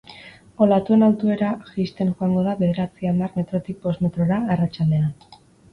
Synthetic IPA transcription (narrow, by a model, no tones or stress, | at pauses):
o̞lat̪ue̞nawt̪ue̞ɾaʝist̪e̞nʝoaŋɡo̞ðaβe̞ðe̞ɾat͡siamarme̞t̪ɾo̞t̪ik̚po̞zme̞t̪ɾo̞ɾaːrat͡ʃald̪e̞an